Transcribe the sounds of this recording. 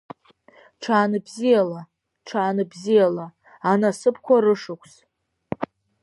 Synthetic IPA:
ʈ͡ʂʰaːnɨbzijala | ʈ͡ʂʰaːnɨbzijalaː | nasɨpʰkʷʰaɾɨʂɨkʷʰs

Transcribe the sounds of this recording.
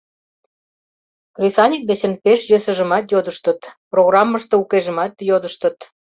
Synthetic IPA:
krʲisɑnʲik̚d̪et͡ɕə̆npeʃjøsə̆ʒəmɑt̪jod̪əʃt̪ət̪proɣrɑmːəʃt̪eukeʒə̆mɑt̪jod̪əʃt̪ə̆t̪

